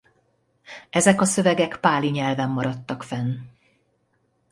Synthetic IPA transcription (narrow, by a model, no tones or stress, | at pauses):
ɛzɛkɒsø̞vɛɡɛkpaːliɲɛlvɛmːɒɾɒt̪ːɒkfɛn